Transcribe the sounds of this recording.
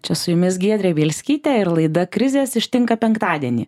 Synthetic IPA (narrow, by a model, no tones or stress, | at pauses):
t͡ʃʲɛsʊjʊmʲɪsɡʲiɛd̪ʲɾʲeːʋʲiːlʲsʲkʲiːt̪ʲɛːɪɾlˠɐɪd̪ɐkɾʲɪzʲeːsɪʃʲt̪ʲɪŋkɐpʲɛŋkt̪ɑːd̪ʲiɛnʲḭː